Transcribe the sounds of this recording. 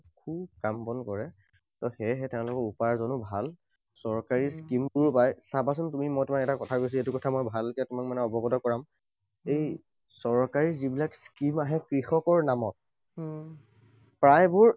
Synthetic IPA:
kʰub̚kampɔnkɔɹɛ | tɔxɛɦɛtɛʊ̃lʊkɔɹupaɹzɔnʊbʱal | sɔɹkaɹiskimtʊɹpajsabas̬ʊntumimɔjtʊmakɛtakɔtʰakojs̬letukɔtʰamɔjbʱalkɛtʊmakmanɛɔbɔɡɔdɔkɔɹam | ej | sɔɹkaɹizibilakskimaɦɛkɹixɔkɔɹnamɔt̚ | pɹajbʊɹ

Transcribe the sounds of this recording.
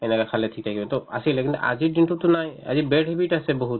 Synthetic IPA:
ɛnɛkakʰalɛtʰik̚t̪ʰakibɛt̪ɔa̰silɛkʰint̪ɛʔa̰zidinʈut̪unaja̰zibeɖɦebiʈasɛbɔɦut̪̚

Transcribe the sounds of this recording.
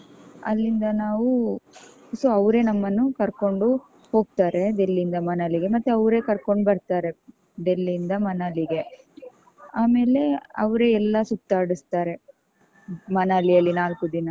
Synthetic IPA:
ɐ̰lːind̪ɐnaːʋu | soɐʋɾe̞nɐmːɐnːukɐɾko̞ɳɖu | ho̞ːɡ̚t̪aːɾe̞d̪e̞lːiind̪ɐmɐnɐliɡe̞mɐt̪ːuɐʋɾe̞ːkɐɾko̞ɳɖbɐɾt̪aːɾe̞ | d̪e̞lːiːnd̪ɐmɐnɐliɡe̞ | aːme̞ːle̞ɐ̰ʋɾe̞ɛlːɐsut̪ːaːɽust̪aːɾe̞ | mɐnalijɐlːinaːlkud̪inɐ

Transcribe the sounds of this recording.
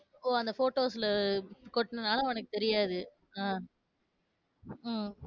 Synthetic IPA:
oːɐnd̪ɐfoːʈoːsɪlɐkɔʈːnɯnaːlɐɔnɐkːɯt̪ɛɾɪjaːðɯ | aː

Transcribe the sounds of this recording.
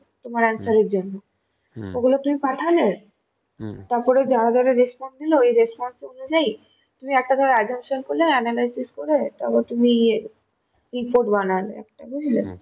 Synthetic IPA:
t̪omaɾansaɾeɾd͡ʑonːo | oɡulot̪umipaʈ̪ʰale | t̪aɾpɔɾed͡ʑaɽad̪ʱɔɾeɾespɔnsd̪iloejɾespɔnseonud͡ʑaj | t̪umiɛk̚ʈad̪ʱɔɾeaɡʱemʃonkoɾlenɛnalajsiskoɾet̪ɔbɔɾt̪umie | ɾipoʈbanalḛɛ̰kʈabuɾile

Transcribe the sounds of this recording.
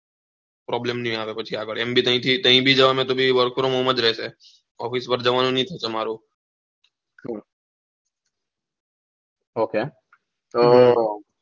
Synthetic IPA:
pɾɔːblemnɦĩaːʋepɐt͡ʃʰiaːkəɽembʱit̪ɐɦĩt̪ʰit̪ɐɦĩbʱid͡ʒəʋamẽt̪obʱiʋəɾkʰɾomõːməd͡ʒɾəese | ɔ̰ːfispəɾd͡ʒəʋaːnũnəɦĩt̪ʰosemaːɾo | oːkeː | t̪oː

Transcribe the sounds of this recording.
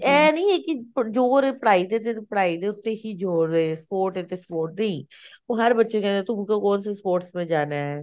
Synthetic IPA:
ɛːnəĩːeːkɪpd͡ʒoːɾepəɽaːid̪et̪et̪ːpəɽaːid̪eːʊt̪ːeɦiːd͡ʒoːɾd̪eːspoːɾʈet̪espoːɾʈnə̃ĩː | oːɦəɾbətːʃekɛ̃net̪ʊm̃kokɔ̃ːnsespoːɾʈsmẽːd͡ʒaːnaːɛː

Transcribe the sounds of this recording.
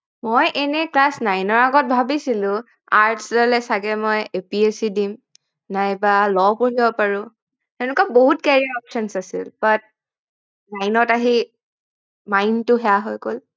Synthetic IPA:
mojʔɛnɛklasnajnɔɹaɡɔt̚bʱabisilʊ̃ | aɹtsdalɛsaɡɛmɔjepiesidim | najbalɔpoɹibɔpaɹʊ̃ | tɛʊ̃nʊkɔboɦutkɛɹiɹɔpʃɔnsasḭlbat̚ | najnɔtaɦi | majntʊɦɛaɦɔjkol

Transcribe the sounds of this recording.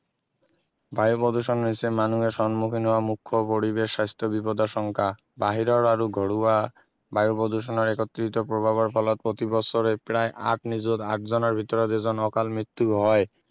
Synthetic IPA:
bajopod̪uʃɔnɾisemanueʃɔnmukʰinɦɔoamukʰːopoɾibeʃːast̪ʰobipod̪aʃɔŋkʰa | baɦiɾɔɾaɾuɡʱɔɽua | bajopod̪uʃ̬ɔnaɾɛkot̪ːɾit̪opɾobʱaβaɾpʰɔlɔt̪̚pɾot̪ibɔsoɾepɾaeʔa̰ʈnid͡ʑod̪a̰ʈ̚d͡ʑɔnaɾbʱit̪ɔɾod̪ed͡ʑɔnɔkalmɾit̪ːuɦɔe

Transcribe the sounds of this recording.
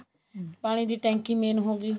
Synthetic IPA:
paːɽ̃ĩːd̪iːʈɛ̃ːŋkĩːmeːnɦoːɡiː

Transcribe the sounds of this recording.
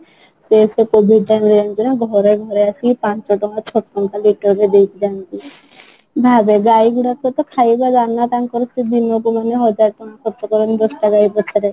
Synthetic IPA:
sesekobʱiɖ̚ʈajmɾeɔnt̪inaɡʱɔɾeɡʱɔɾeasipant͡ʃɔʈɔŋat͡ʃʰɔʈkɔŋkaliʈɔɾked̪ejt̪id͡ʒant̪i | bʱabeɡajɡuɽat̪ʰkɔt̪ɔkʰajbaɡanːat̪aŋkɔɾɔst̪id̪inok̬umaneɦɔd͡ʒaɾʈɔŋ̃akʰɔɾt̪ɔkɔɾɔnd̪ɔsʈaɡajpɔt͡ʃʰɔɾe

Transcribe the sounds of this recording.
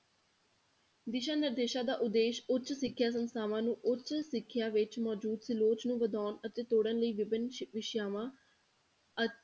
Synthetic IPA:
d̪ɪʃaːnɪɾd̪eːʃaːd̪aːʔʊd̪eːʃʊt͡ʃsɪkʰːjaːs̬ənsaːʋãːnũːʔʊtt͡ʃsɪkʰːjaːʋɪt͡ʃmɔːd͡ʒuːd̪sɪloːt͡ʃnũːʋəd̪ɔːnət̪eːt̪oːɽənləiːʋɪbɪnʋɪʃjaːʋãː | ə

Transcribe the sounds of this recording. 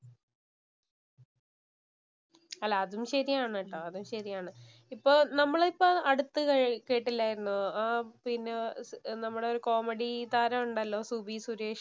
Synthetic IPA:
ɐlːaːðumɕɐɾijaːɳɐʈːɐɐðumɕɐɾijaːɳɨ | ipːo̞ːnɐmːɐɭipːoːɐɽut̪ːɨɐkeːʈːilːaːjiɾunːupinːenɐmːuɽeo̞ɾuko̞ːmeɽit̪aːɾɐmuɳɖɐlːo̞ːsubisuɾeːʂ

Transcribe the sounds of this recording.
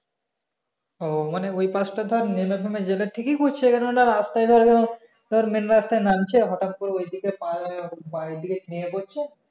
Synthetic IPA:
omaneojpãsʈad̪ʱɔɾnimebʱamed͡ʑeleʈʰikikot͡ɕʰekɛnooʈaɾast̪ajd̪ʱɔɾkɛno | d̪̥ʱeɾmenɾast̪ajnamt͡ɕʰeɦɔʈap̚puɾeojd̪ʱikepãaojd̪ʱikeniepoɾt͡ɕʰe

